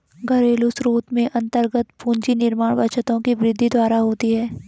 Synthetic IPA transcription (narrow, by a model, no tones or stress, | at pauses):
ɡɐɾeːlusɾoːt̪mẽʔɐ̃nt̪əɾɡət̪pũːɲd͡ʒinɪɾmaːɽʋɐt͡ʃət̪õkibɾɪd̪ʱːid̪waːɾaɦoːt̪iɦɛː